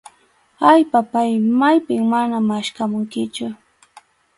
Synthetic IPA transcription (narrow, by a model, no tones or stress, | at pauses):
ajpapajmajpɪŋmanamaʃkamʊŋkɪt͡ʃʊ